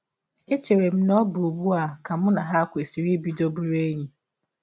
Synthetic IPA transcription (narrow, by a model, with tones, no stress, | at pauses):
e˦t͡ʃe˨ɾe˨m̩˦nɔ˦bu˨bu˦a˨ka˨m̩˦na˨ɦa˦kʷe˨si˨ɾi˦bi˦do˦bu˦ɾe˦ɲi˦